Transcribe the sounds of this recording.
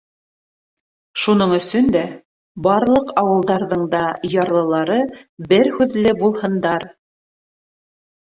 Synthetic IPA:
ʃunɤɴɵ̆sɵnd̪æ | bɑɾlˠɤqɑwɤ̆lˠd̪ɑɾðɤɴd̪ɑjɑɾlˠɤ̆lˠɑɾɤbɘɾhʉðlɘbulˠhɤ̆nd̪ɑɾ

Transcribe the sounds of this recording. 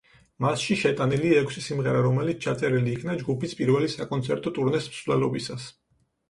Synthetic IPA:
masʃiʃɛt̪ʼaniliɛkʰsisimʁɛɾaɾɔmɛlit̪ʰt͡ʃʰat̪sʼɛɾiliːkʰnad͡ʒɡupispʼiɾvɛlisakʼɔnt̪sʰɛɾt̪ʼɔt̪ʼuɾnɛsmsvlɛlɔbisas

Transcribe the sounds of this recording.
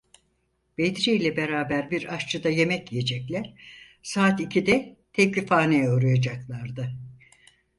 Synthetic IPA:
b̥ed̪iɾejlʲɛbe̞ɾaːbæɾbiɾaʃt͡ʃʰɯd̪aje̞mɛcije̞d͡ʒɛclʲæɾ̥ | saːt̪icʰid̪ɛt̪ʰɛclifaːnejɛoɾujad͡ʒaklˠaɾd̪ɯ

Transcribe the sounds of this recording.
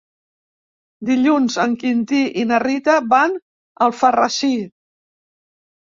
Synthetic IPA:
d̪iʎunzəŋkint̪iʔinərit̪əβan | əlˠfərəʃi

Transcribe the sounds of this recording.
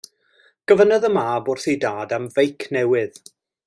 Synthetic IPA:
ɡ̥əvənəðəmaːbʊrθijdaːdamvejkʰnɛwɪð̥

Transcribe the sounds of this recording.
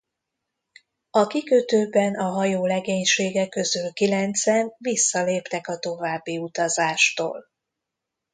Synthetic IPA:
ɒkikøt̪øːbɛnɒɦɒjoːlɛɡeːɲʃeːɡɛkø̞zylkilɛnt̪sɛnvisːɒleːpt̪ɛkɒt̪o̞vaːbːiut̪ɒzaːʃt̪o̰ːl

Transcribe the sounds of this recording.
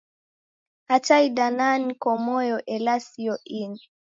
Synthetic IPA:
hat͡ʃaidananikɔmɔjɔʔɛlasiɔʔini

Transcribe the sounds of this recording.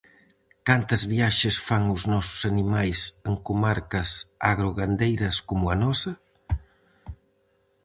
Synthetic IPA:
kant̪ɐzβiaʃesfaŋuznɔsu̥sanimajsəŋkumaɾkɐsaɣɾoɣand̪ejɾɐskomuanɔsɐ

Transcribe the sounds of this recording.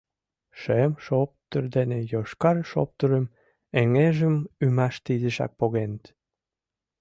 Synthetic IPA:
ʃemʃop̚t̪ərd̪enejoʃkɑɾʃo̰p̚t̪əɾəm | eŋeʒəmymɑʃt̪id̪əʃɑ̰k̚poɣenət̪

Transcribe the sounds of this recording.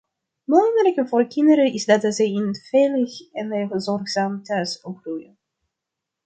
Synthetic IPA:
moːnələkəvʊːrkɪndəɾəɪzdɑtzɛjɪnvejləxɛneəzɔrχzaːmtœɥsɔprujən

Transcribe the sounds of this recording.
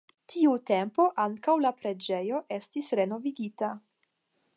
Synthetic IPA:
tʰiute̞mpo̞ʔaŋkawlapɾe̞d͡ʒe̞jo̞ʔe̞stisɾe̞no̞viɡita

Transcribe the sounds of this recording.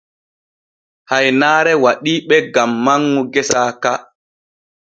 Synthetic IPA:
hajnaːɾɛwaɗiːɓɛɡamːaŋːuɡɛsaːka

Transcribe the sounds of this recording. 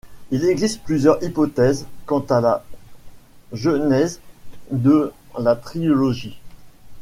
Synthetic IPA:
ilɛɡzist̪̚plyzjœʁipɔt̪ɛzkɑ̃t̪ala | ʒənɛzd̪əlat̪χilɔʒi

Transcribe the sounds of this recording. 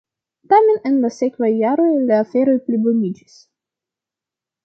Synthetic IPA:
tame̞nenlase̞kvajːaɾo̞jlaːfe̞ɾo̞jplibonid͡ʒis

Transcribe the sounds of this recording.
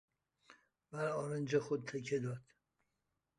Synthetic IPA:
bæɾɒːɾend͡ʒexod̪̚t̪ʰekʰed̪ɒd̪̥

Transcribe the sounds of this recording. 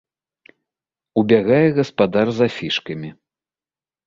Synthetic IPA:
ubʲaɣajɛɣɐspad̪arzafʲiʂkɐmʲi

